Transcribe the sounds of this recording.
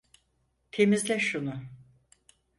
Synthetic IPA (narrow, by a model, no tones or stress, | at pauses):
t̪ʰe̞mizlʲɛʃunʊ